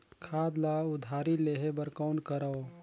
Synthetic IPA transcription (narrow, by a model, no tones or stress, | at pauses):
kʰaːd̪laʊd̪ʱaːɾileːɦebəɾkɔːnkəɾao